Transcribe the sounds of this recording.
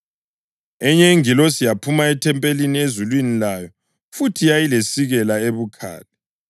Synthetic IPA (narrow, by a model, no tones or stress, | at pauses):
ɛɲɛiŋilɔsijapʰumaɛtʰɛmpʼeliniezulwinilajɔ | futʰijajilesiɣɛlaeβukʰa̰ːlɛ